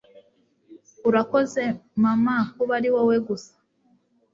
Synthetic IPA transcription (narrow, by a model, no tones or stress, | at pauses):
uɾakoze̞mamakuβaɾiwoweɡusḁ